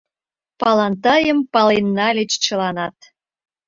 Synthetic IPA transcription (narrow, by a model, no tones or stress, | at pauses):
pɑlɑnt̪ɑjə̆mpɑlenːɑlʲet͡ɕt͡ɕə̆lɑnɑt̪̚